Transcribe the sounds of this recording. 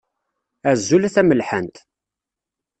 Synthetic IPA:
æzːulæθæməlħənt̪

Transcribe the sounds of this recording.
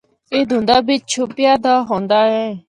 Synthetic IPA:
eːd̪ũːnd̪aːbɪt͡ʃt͡ʃʰʊpɪjaːd̪aːɦõːnd̪aːɦɛː

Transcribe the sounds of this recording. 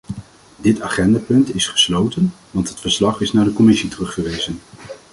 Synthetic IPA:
dɪtaːχɛndaːpɵntɪsχə̥slowtən | ʋɑntɦətfəɹslɑχɪsnaːɹdəkɔmɪsitərɵχfəɹʋejzən

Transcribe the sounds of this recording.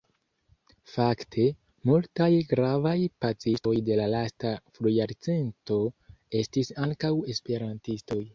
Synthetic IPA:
faktʰe̞ | multajɡɾavajpat͡sisto̞jde̞lalastaflujaɾt͡se̞nto̞e̞stisaŋkawe̞spe̞ɾantisto̞j

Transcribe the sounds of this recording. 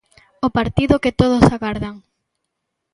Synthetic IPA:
ʊpaɾt̪iðʊkɪt̪oð̞ʊsaɣwaɾðaŋ

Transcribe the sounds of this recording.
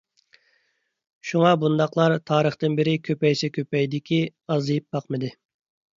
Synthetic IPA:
ʃuŋɑbund̪ɑqlˠɑɾt̪ʰɑːɾəχt̪ɨnbɪɾɪkʲʰøpɛjsɛkʲʰøpɛjd̪ɪkʲiɑzlɨjip̚bɑqmɨd̪ɨ

